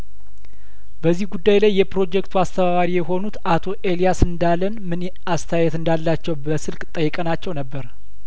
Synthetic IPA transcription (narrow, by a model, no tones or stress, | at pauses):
bəzːihɡud̪ːajlajːɛpɾo̞d͡ʒɛkt̪ʰuast̪ʰəβaβaɾijɛɦo̞nut̪at̪ʰo̞ʔe̞lijasɨnd̪alənmɨn | ast̪ʰajɛt̪ɨnd̪alːat͡ʃːɛwbəsɨlkʼt̪ʼəjːɛkʼənat͡ʃːɛwnəbːəɾ